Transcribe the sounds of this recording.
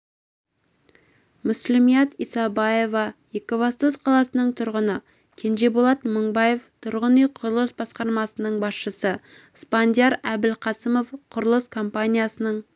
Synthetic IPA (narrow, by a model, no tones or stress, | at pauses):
mʊslɪmijɑt̪ijsɑbɑje̞vɑjekovɑst̪osqʰɑlˠɑsənəɴt̪ʰʊɾʁənə | kʲʰe̞nʒe̞bolˠɑt̪məɴbɑje̞ft̪ʰʊɾʁənijqʰʊɾəlˠəsbɑsqɑɾmɑsənəɴbɑsʃəsə | spand̪ʲjaɾæbɪlqʰɑsəmo̞fqʰʊɾəlˠəskʰo̞mpanʲijasənəɴ